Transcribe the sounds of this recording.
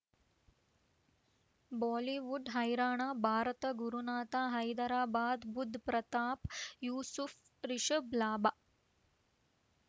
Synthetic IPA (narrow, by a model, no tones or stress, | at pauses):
baːliʋuɖɦɐjɾaːɳaːbʱaːɾɐt̪ɐɡuɾunaːt̪aːɦɐjd̪ɐɾaːbaːd̪bud̪ʱːpɾɐt̪aːpjuːsuf | ɾiʃɐblaːba